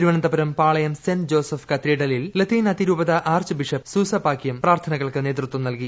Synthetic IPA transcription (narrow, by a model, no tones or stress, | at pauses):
ɾuʋɐɳɐnd̪ɐbɐɾɐmpaːɭɐjɐmsenɖd͡ʑoːsɐfkɐt̪ɾiːɽɐlillɐt̪iːnɐt̪iɾuːbɐðɐʔaːrt͡ɕɨbiʂɐpsuːsɐpːaːkːjɐmpraːrt̪ʰɐnɐɣɐɭkɨneːt̪rut̪wɐmnɐlki